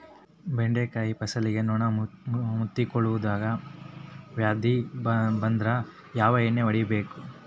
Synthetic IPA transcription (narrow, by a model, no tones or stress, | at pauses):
beɳɖekaːjipɐsɐliɡe̞nɔːɳɐmut̪ːikɔɭuʋud̪aːɡɐ | ʋjaːd̪ʱibɐnd̪ɾɐ | jaːʋɐenːeʋɐɽibe̞ːku